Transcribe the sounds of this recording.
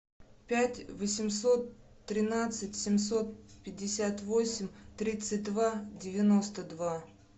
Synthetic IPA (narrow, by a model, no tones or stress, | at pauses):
pʲætʲvəsʲɪmso̞t̪ː | ɾʲɪnat̪sɨtʲsʲɪmʲso̞t̪̚pʲɪdʲːɪsʲat̪vosʲɪmʲt̪ɾʲit̪sɨt̚ʲd̪vadʲɪvʲɪno̞st̪əd̪va